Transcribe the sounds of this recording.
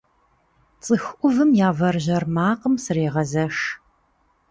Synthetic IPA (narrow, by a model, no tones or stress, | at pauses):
t͡sʼɨxʔʷʊvɨmjaːvɐrʒʑɐrmaːqəmsɨreːʁɐzɐʂ